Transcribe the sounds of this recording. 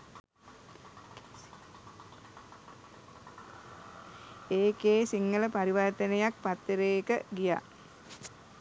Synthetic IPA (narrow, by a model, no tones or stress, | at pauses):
eːkeːsiŋːələpaɾiʋaɾt̪ənəjak̚pat̪ːeɾekəɡija̰